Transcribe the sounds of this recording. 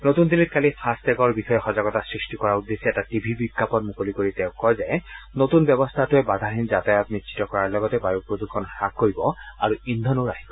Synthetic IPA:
notund̪ilit̚kalipʰastɛɡɔɹbixɔjɛxɔzaɡɔtasɹistikɔɹaud̪ːesiɛtatibʱibikːapɔnmukolikoɹitɛʊ̃kːɔjzɛnotunbɔbɔst̪ʰatʊɛbad̪ʱaɹɦinzatɛjap̚nisʰi̥tɔkɔɹaɹlɔɡɔtɛbaɹupɹod̪ukʰɔnxakːoɹibɔaɹuind̪ʱɔnoɹaɦibɔ

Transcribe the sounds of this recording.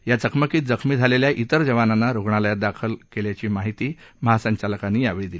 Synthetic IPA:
jat͡səkʰməkiːt̪̚d͡zəkʰmiːd͡zʱaleljaʔit̪əɾd͡zəʋananːaɾoɡɳaləjat̪̚d̪akʰəlkeljat͡ɕiːmaɦit̪iːməɦasəɲt͡ɕaləkanːiːaʋed̪ili

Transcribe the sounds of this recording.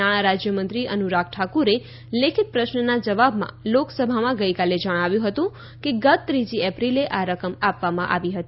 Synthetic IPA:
aɽ̃aɾad͡ʒjəmənt̪ɾiʔənuɾak̚ʰʈʰakuɾe | lekʰit̪̚pɾəʃnənad͡ʒəʋabmã̰loksəbʱamãɡəikaled͡ʒəɽ̃aʋjũɦət̪ũ | keɡət̪̚ːɾid͡ʒiɛpɾileʔaɾəkəmapʋamãʔa̰ʋiɦət̪i

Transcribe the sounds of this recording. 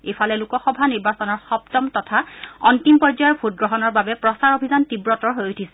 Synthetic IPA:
ejfalɛlukɔxɔbʱaniɹbasɔnɔɹxɔptɔmtɔtʰaɔntimpɔzajɔɹpʰut̚ɡɹɔɦɔnɔɹbabɛpɹɔsaɹobʱizantibɹɔtɔɹɦojutʰisɛ

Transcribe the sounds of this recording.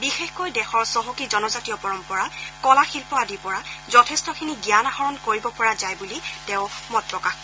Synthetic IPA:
bixexkɔjdɛxɔɹsɔɦokizɔnɔzatiɔpɔɹɔmpɔɹakɔlaxilpɔdipɔɹazɔtʰestɔkʰiniɡjanahɔɹɔnkoɹibɔpɔɹazajbulitɛʊmɔtɹɔkax

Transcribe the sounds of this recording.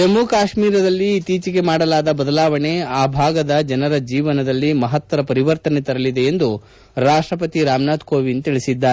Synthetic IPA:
ɐmːukaːʃmiːɾɐd̪ɐlːiːt̪iːt͡ʃike̞maːɽɐlaːd̪ɐbɐd̪ɐlaːʋɐɳe̞aːbʱaːɡɐd̪ɐd͡ʒɐnɐɾɐd͡ʒiːʋɐnɐd̪ɐlːimɐɦɐt̪ʋɐɾɐpɐɾiʋɐɾt̪ɐnet̪ɐɾɐlid̪e̞end̪u | ɾaːʂʈɾɐp̬ɐt̪iɾaːmnaːd̪koːʋint̪iɭisid̪ːaːɾe

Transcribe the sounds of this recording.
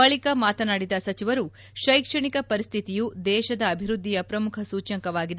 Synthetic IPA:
ɐɭikɐmaːt̪ɐnaːɽid̪ɐsɐt͡ʃiʋɐɾu | ʃɐjkʂɐɳikɐpɐɾist̪ʰit̪ijud̪ɛːʃɐd̪ɐːbʱiɾud̪ʱːijɐpɾɐmukʰɐsuːt͡ʃɐŋkɐʋaːɡid̪

